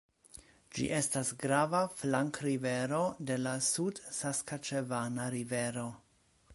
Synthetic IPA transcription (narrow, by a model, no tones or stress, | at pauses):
d͡ʒḭʔe̞stasɡɾavaflaŋkɾive̞ɾo̞de̞lasudsaskat͡ʃevanaɾive̞ɾo̞